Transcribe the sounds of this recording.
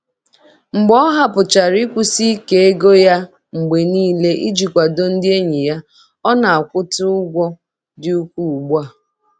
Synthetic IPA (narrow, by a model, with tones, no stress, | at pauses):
ŋ͡m̩˨ɡ͡bɔ˦ɦa˨pʊ˨t͡ʃa˨ɾi˦kʷu˦si˦ke˦e˦ɡo˦ja˦ | ŋ͡m̩˨ɡ͡be˨niː˦le˦ʔḭ˦d͡ʒi˨kʷa˨do˦n̩˦dɪ˦e˦ɲi˨ja˦ | ɔ˦na˨a˨kʷʊ˦tʊ˦ʊ˦ɡʷɔ˦ | dɪ˦u˦kʷu˦u˨ɡ͡ba˦˨